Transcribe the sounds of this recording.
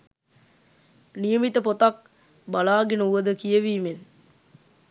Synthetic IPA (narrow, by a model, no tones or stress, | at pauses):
nijəmit̪əpot̪ak̚ | balaːɡenəuʋəd̪əkijəʋiːmen